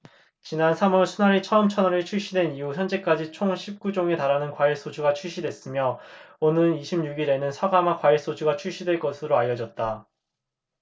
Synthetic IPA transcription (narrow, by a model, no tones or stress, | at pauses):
t͡ɕinansʰamʌɭsʰunaɾit͡ɕʰʌɯmt͡ɕʰʌnʌɾɯɭt͡ɕʰuɭɕ͈idwe̞nijuçjʌnd͡ʑe̞k͈ad͡ʑit͡ɕʰoŋɕʰip̚k͈ud͡ʑoŋe̞taɾanɯnkwaiɭs͈od͡ʑuɡat͡ɕʰuɭɕ͈idwe̞s͈ɯmjʌonɯniɕʰimɲuɡiɾe̞nɯnsʰaɡamakwaiɭs͈od͡ʑuɡat͡ɕʰuɭɕ͈idwe̞ɭk͈ʌsʰɯɾoajːʌd͡ʑʌt̚t͈a